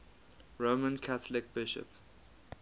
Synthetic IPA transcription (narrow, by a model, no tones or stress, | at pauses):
ɹomə̃nkʰaθəlɪk̚b̥ɪʃə̰p